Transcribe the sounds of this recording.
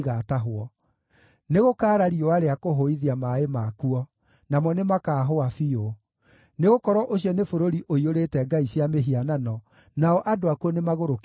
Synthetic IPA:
ɣataɦoɔ | neɣokaːɾaɾioaɾeakoɦoiðiamaemakuɔ | namɔnemakaːɦoafio | neɣokɔɾwɔʔoɕiɔnefoɾoɾiʔoioɾetɛɡaiɕjameɦiananɔ | naɔʔadoakuɔnemaɣoɾok

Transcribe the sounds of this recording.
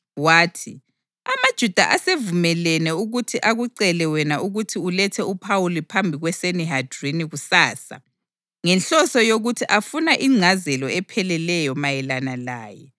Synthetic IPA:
waːtʰi | amad̥ʒ̥ʱud̥ʱa̰ʔasevumɛlɛnɛuɣutʰiʔaɣuǀɛlɛwɛnauɣutʰiulɛtʰɛupʰawulipʰambʱiɣwɛseniɦad̥ʱriniɣusaːsa̰ | ŋɛnɬɔsɔjoɣutʰiʔafunaʔiŋ͡ǀʱazɛlɔɛpʰɛlɛlɛjɔmajɛlanala̰ːjɛ

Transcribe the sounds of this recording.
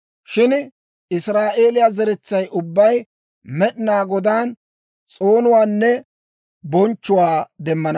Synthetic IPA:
ʃɪn | ɪsɾaːʔe̞ːlɪjazɛɾɛt͡sːɐjʔʊbːɐj | mɛɗɪnaːɡɔd̪aːn | t͡sʼo̞ːnʊwaːnːɛ | bɔnt͡ʃːʊwaːd̪ɛmːɐnɐ

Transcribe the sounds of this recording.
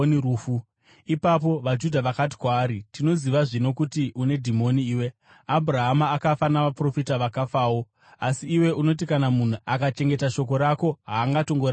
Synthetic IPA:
niuːfu | ipap̬o̞ʋad͡ʒudʱaʋakat̬i̥kwaːɾitino̞ziʋaʐino̞kutiʔune̞dʱimo̞niːwe | abʱraɦamaːkafanaʋapro̞fitaʋakafaːwo̞ | asiːwe̞ʔuno̞t̬ikanamun̤uakat͡ʃe̞ŋɡe̞taʃo̞k̬o̞ɾako̞ɦaːŋɡato̞ŋɡora

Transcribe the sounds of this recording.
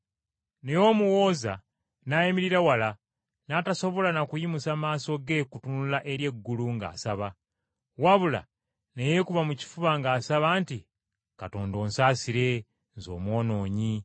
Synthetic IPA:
ne̞jo̞ːmuwo̞ːza̰ | najimiɾiɾawala | nataso̞βo̞lanakujimusamaːso̞ɡe̞kutunulaʔe̞ɾje̞ɡːuluŋɡa̰ːsaβa | waβula̰ | nejekuβamuci̥fuβaŋɡaːsaβaːnti | kato̞ːndo̞ːnsaːsiɾe̞ | nzo̞̰ːmwo̞ːno̞ːɲi

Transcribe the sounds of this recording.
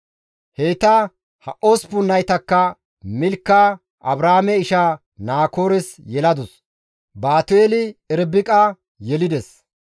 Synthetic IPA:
hejt̪ɐ | hɐʔospʊnːɐjt̪ɐkːɐ | mɪlkːa | ʔɐbɾaːmɛɪʃa | naːko̞ːɾɛs | jɛlɐd̪ʊs | baːt̪ʊeːlɪɛɾbɪkʼɐ | jɛlɪd̪ɛs

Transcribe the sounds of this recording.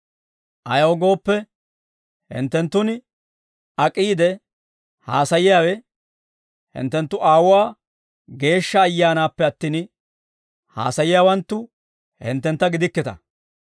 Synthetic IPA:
ʔɐjɐwɔɡo̞ːpːɛ | hɪ̰nt̪ːɛnt̪ːʊn | ɐkʼiːd̪ɛ | haːsɐjɪjaːwɛ | hɪ̰nt̪ːɛnt̪ːʊʔaːwʊwaː | ɡe̞ːʃːɐːjːaːnaːpːɛɐt̪ːiːn | ha̰ːsɐjɪjaːwɐnt̪ːʊ | hɪ̰nt̪ːɛnt̪ːɐɡɪd̪ɪkːɪt̪ɐ̰

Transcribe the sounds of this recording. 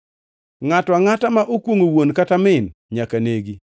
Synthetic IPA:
ŋatwaŋatamaʔokwoŋowonkatamɪnɲakaneɡi

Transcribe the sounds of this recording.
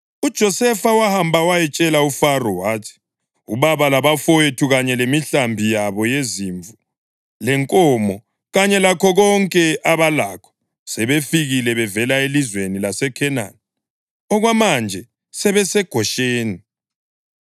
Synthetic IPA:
ud̥ʒ̥ʱɔsɛfawahambʱawajɛt͡ʃʼɛlaufarɔwaːtʰi̥ | ṵβaβalaβafɔjetʰuɣaɲɛlemiɬambʱijaβɔjeziɱvu | lɛŋkʼɔmɔ | ɣaɲɛlakʰɔɣɔŋkʼɛʔaβalakʰɔ̥ | sɛβefiɣilɛβɛvɛlaelizwenilasɛkʰɛna̰n | ɔɣwamand͡ʒʱɛ | sɛβɛsɛɡ̥ʱɔʃeːni

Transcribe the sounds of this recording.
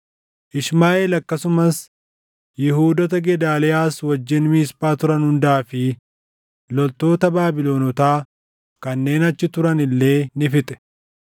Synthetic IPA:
ʔɪʃmaːʔeːlɐkːɐsʊmɐs | jɪɦuːd̪ɔt̪ɐɡɛd̪aːlɛjaːswɐd͡ʒːɪnmiːspaːt̪ʊɾɐnhʊnd̪aːfɪ | lɔlt̪o̞ːt̪ɐbaːbɪlo̞ːnɔt̪aː | kɐnːe̞ːnɐt͡ʃːɪt̪ʊɾɐnɪlːe̞ːnɪfɪt̪ʼɛ̥

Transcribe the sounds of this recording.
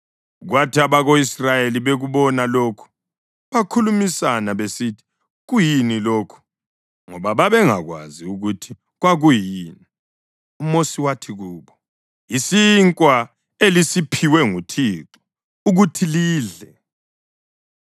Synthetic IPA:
ɣwatʰiaβaɣoisrajeliβeɣuβɔnaloːkʰu̥ | βakʰulumisanaβesitʰi̥ | ɣujiniloːkʰu̥ | ŋɔβaβaβɛŋa̰ɣwa̰ziuɣutʰi | ɣwaɣujiːni | umosiwatʰiɣuːβɔ | isiŋkʼwa | elisipʰiwɛŋutʰiːǁɔ̥ | uɣutʰiliːɮɛ

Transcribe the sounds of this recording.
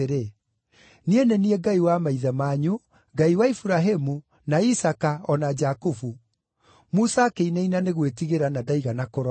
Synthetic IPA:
eɾe | nienɛniɛɡaiwamaiðamaɲu | ɡaiwaifuɾaɦemu | naisakaɔnad͡ʒakufu | musakeinainaneɣwetiɣeɾanadaiɣanakoɾ

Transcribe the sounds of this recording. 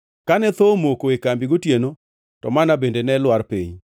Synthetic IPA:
kanɛt̪omokoekambiɡotjeno | tɔmanabendenɛlwaɾpḭɲ

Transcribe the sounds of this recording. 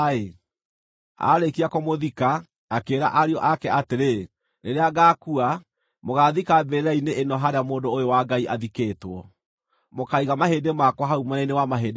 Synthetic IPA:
e | a̰ɾekiakɔmoðikaː | keːɾa̰ʔaɾeɔʔakɛateɾe | neɾeaɡaːkua | moɣaːðikabeɾaineʔːnɔɦaɾeamoːdoːjowaɡaiʔaðikeːtwɔ | mokaiɣamaɦeːdemakwaɦaumɔnainewamaɦeːde

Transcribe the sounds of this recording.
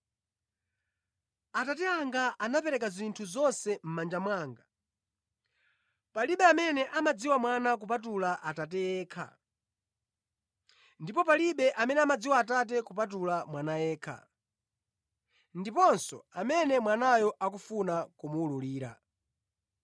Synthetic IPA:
atatɛaŋɡaʔanapɛɾɛkazintʰuzɔnsɛm̩mand͡ʒamwaːŋɡa | paliɓɛamɛnɛʔamad͡ziwamwanak̬upat̬ulaʔatat̬ɛjɛːkʰa̰ | ndipɔpaliɓɛʔamɛnɛamad͡ziwaːtat̬ɛkup̬at̬ulamwanajɛːkʰa̰ | ndipɔnsɔamɛnɛmwanajɔʔak̬ufunakumuːluliːɾa̰

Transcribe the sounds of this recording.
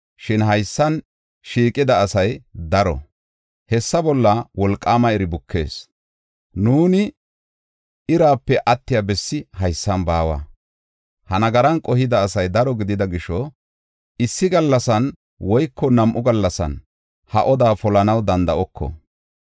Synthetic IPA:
ʃɪnɦɐjsːɐn | ʃiːkʼɪd̪ɐːsɐjd̪ɐɾɔ̰ | hɛsːɐbɔlːɐwɔlkʼːaːmɐɛɾɪbʊkːe̞̰ːs | nuːnɪ | ɪɾaːpːɛʔɐt̪ːɪjɐbɛsːɪɦɐjsːɐnbaːwa̰ː | hɐnɐɡɐɾɐnkʼɔhɪd̪ɐːsɐjd̪ɐɾɔɡɪd̪ɪd̪ɐɡɪʃɔ | ɪsːɪɡɐlːɐsɐn | wɔjkːɔnɐmʔʊɡɐlːɐsɐ̰n | hɐ̰ʔɔd̪aːfɔlɐnɐwd̪ɐnd̪ɐʔɔkʰːɔ̰

